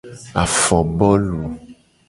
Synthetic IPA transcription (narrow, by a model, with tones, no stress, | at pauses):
a˨fɔ˨bɔ˦lu˨